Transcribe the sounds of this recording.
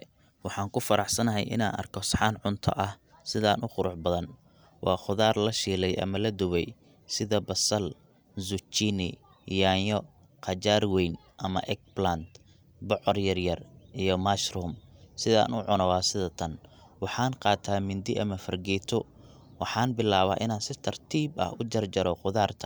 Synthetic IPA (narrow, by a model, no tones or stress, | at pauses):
wɑħɑːŋkʰʊfɐɾɑħsɐnɐɦɛ̰jʔɪ̰na̰ːnɐ̰rkʰɔsħɑːnʕʊnt̪ʰɐ̰ʔɐh | sɪðaːnʔʊχʊɾʊʕbɐðɐn | wɑːχʊðaːrlɐʃiːlɛjʔɐ̰mɐlɐd̪ʊwɛj | sɪðɐbɐsɐl | zʊt͡ʃiːnɪ̰ | jaːjɔ | qɑt͡ʃaːrwɛjn | ʔɐmɐ̰ʔɛk̚blant̪ | bɔʕɔrjɐrjɐrʔijɔmaʃrʊmsɪða̰ːnʊʕʊnɔwaːsɪðɐt̪ʰɐn | wɑħɑːnqɑːt̪ʰaːmɪnd̪ɪʔɐmɐfɐrɡɛːt̪ʰʊ | wɑħɑːnbɪlaːβɐʔɪ̰naːnsɪt̪ʰɐrt̪ʰiːbɐ̰hʊd͡ʒɐrd͡ʒɐɾɔqʊðaːrt̪ʰɐ̥